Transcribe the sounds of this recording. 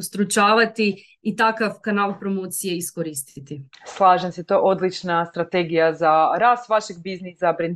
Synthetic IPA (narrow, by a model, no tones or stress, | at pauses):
ust̪ɾut͡ʃaːʋat̪i | it̪akafkanalˠpɾomoːt̪sije̞iskoɾiːst̪it̪islˠaːʒemset̪oʔod̪lit͡ʃnast̪ɾat̪e̞ɡijazaɾast̪ʋaʃeɡ̚biznisabɾen